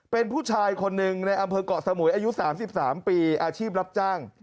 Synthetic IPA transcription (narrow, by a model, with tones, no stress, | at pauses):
pe˧npʰuː˥˩t͡ɕʰaː˧jkʰo˧nːɯ˨ŋna˧jʔa˧mpʰɤː˧kɔ˨˩sa˧mu˩˦jʔaː˧ju˦˥saː˩˦msi˨˩p̚saː˩˦mpiː˧ʔaː˧t͡ɕʰiː˥˩p̬̚ɾa˦˥p̚t͡ɕaː˥˩ŋ